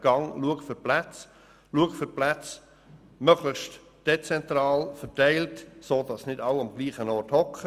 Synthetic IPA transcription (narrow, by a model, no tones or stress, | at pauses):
ɡ̥ɑŋluəkfʏɾplæt͡s | luəkfʏɾplæt͡s | mœɡlɪχʃt | d̥et͡sɛnt̪ɾɑːlfətæɪltsoːdɑsnɪdɑwɑmɡ̥liːχənɔrthɔkχə